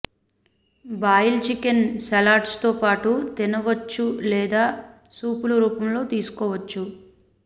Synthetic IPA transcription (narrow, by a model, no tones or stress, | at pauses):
baːjilt͡ʃikensɐlaːʈst̪o̞ːpaːʈut̪inɐʋɐt͡ʃːulɛːd̪aːsuːpuluɾuːpɐmlo̞ːt̪iːsu̥kɔːʋɐt͡ʃːu